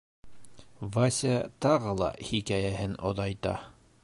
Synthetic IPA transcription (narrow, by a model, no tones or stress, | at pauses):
vasʲt̪ɑʁɤlˠɑ̰hikæjæɦɘno̰ðɑjt̪ɑ̰